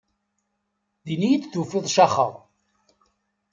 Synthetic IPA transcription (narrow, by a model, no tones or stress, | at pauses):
ðinijit͡sːθufɪðˤʃɑχə̰ɾˤ